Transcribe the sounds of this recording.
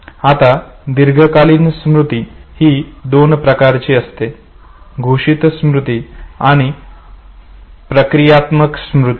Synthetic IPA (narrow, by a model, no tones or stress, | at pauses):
at̪ad̪iɾɡʱəkaliːnsmɾut̪ihiːd̪onpɾəkaɾt͡ɕiːəst̪e | ɡʱoʂit̪smɾut̪iaɽ̃i | pɾəkɾijat̪məksmɾut̪i